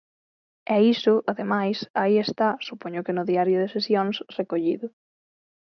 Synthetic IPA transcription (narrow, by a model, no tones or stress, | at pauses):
ɛisʊʔaðemajsaiest̪asupoɲʊkɪnʊðiaɾjʊðesesjoŋsrekoʎiðʊ